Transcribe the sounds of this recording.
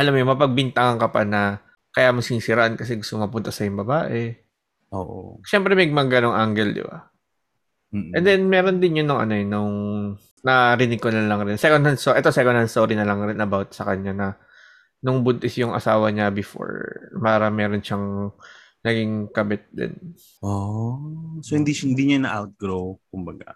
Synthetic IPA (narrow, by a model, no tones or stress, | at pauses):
ʔɐlamojomɐpɐɡ̚bɪnt̪ɐŋɐŋkɐpanɐ | kɐjamɐsɪnsɪɾɐʔankɐs̬ɛɡʊst̪omɐpʊnt̪ɐsɐjʊŋbɐbaːʔɛ | ʔo̰ːʔo̰ʃɛmpɾɛmɐɡ̚mɐɡɐno̞ŋʔaŋɡɛld̪ɪ̰ba̰ | ʔɛnd̪ɛnmɛːɾond̪ɪnjʊnʊŋʔɐ̰no̞ɛnʊŋ | nɐɾɪnɪɡ̚kolɐlɐŋɾɪnsɛkonhɐnst̪oʔɛt̪o̞sɛkonɐnst̪oːɾinɐlɐŋɾɪnɐbawt̪̚sɐkɐɲanɐ | nʊŋbʊnt̪ɪsjʊŋʔɐ̰saːwɐɲabɪfo̰ɹpaːɾɐmɛːɾonʃaŋ | nɐɡiŋkɐbɪt̪̚d̪ɪ̰n | ʔo | sohɪnd̪iʃɪnd̪iɲanɐʔawt̪̚ɡɾowkʊmbɐɡa̰